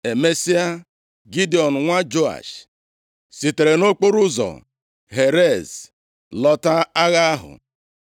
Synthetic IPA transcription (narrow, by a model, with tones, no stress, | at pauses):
e˨me˦si˦a˦ | ɡi˦di˨ɔ˨n̩˨ŋʷa˦d͡ʒo˦a̰˨ʃ | si˨te˨ɾe˨no˦k͡po˦ɾu˦zɔ̰˨ | ɦe˨ɾe˦˨z | lɔ˦ta˦a˦ɣa˦a˦ɦʊ̰˨